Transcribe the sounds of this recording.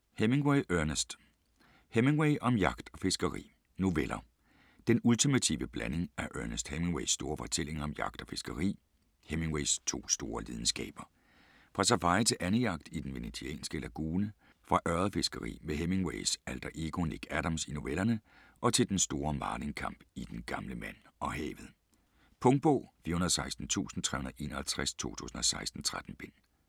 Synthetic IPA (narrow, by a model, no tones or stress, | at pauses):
heme̝ŋweɪʔøɐnəsd̥ | heme̝ŋweɪʔɒ̽mjɑ̈ɡ̥d̥ɒ̽fe̝sɡ̥ɐʁḭː | no̝ʋelʔɐ | d̥enult͡sʰimæt͡sʰḭːʋəb̥lʔæne̝ŋæʔœɐnəsd̥heme̝ŋweɪsːd̥o̝ːɐfɒ̽t͡sʰel̰e̝ŋɐɒ̽mjɑ̈ɡ̥̚d̥ɒ̽fe̝sɡ̥ɐʁḭː | heme̝ŋweɪst͡sʰo̝̰ːsd̥o̝ːɐlið̞ˠn̩sɡ̥ɛ̰ːb̥ɐ | fʁɑ̈sɑfɑ̈ɪt͡sʰe̝lʔænəjɑ̈ɡ̥̚d̥id̥en̩ʋe̝net͡sʰiɛ̰ːnsɡ̥əlʔæɡ̥uːnə | fʁɑ̈ʔɶɐðˠɐfe̝sɡ̥əʁḭːmeɦeme̝ŋweɪsæld̥ɐʔeɡ̥o̝neɡ̥æɾ̥ɑmsino̝ʋelɐnə | ʔɒ̽t͡sʰe̝ld̥ensd̥o̝ːɐmɑ̈ːle̝ŋkʰɑ̈m̰b̥id̥enɡ̥ɑ̈mləmæn̰ɒ̽hɛ̰ːʋð̩ˠ | pʰɔ̽ŋd̥̚b̥ɔ̰ːfiɐhunɐðˠsɑ̈ɪsd̥n̩t͡sʰṵːsn̩t͡sʰʁɛhunɐð̩ˠʔe̝̰ːnɐhælt͡sʰʁast͡sʰo̝̰ːt͡sʰṵːsn̩ɒ̽sɑ̈ɪsd̥n̩t͡sʰʁad̥n̩b̥e̝n̰